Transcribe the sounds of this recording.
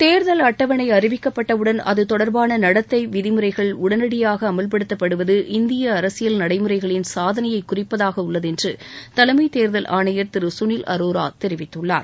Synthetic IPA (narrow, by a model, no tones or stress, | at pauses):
t̪eːɾðɐlɐʈːɐʋɐnɐɪɐrɪʋɪkːɐpːɐʈːɐʋɯɽɐnɐ̰ðɯt̪ɔɽɐɾbaːnɐnɐɽɐt̪ːɐɪʋɪðɪmɯɾɐɪɣɐɭʊɽɐnɐɽɪjaːɣɐːmɐlp̬ɐɽɯt̪ːɐpːɐɽɯʋɐðɯʔɪnd̪ɪjɐːɾɐsɪjɐlnɐɽɐɪmɯɾɐɪɣɐɭɪnsaːðɐnɐjɐɪkːʊrɪpːɐðaːɣɐʊɭːɐðɛndrɯt̪ɐlɐmɐɪt̪eːɾðɐlʔa̰ːɳɐjɐɾt̪ɪɾɯsʊniːlɐ̰ɾoːɾaːt̪ɛɾɪʋɪt̪ːɯɭːaːɾ